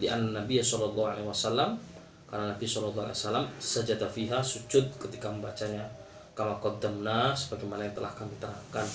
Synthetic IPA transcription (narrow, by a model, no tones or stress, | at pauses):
liʔanːanabiasɔlɔlˤːɑɦualewasalːam | karnanabisɔlɔlˤːa̰lḛasalːamsad͡ʒad̪afiɦasut͡ʃʊt̪̚kət̪ikaməmbat͡ʃaɲa | kamakɔd̪əmnasə̥baɡajmanajaŋt̪əla̰hkamdit̪ənaŋkan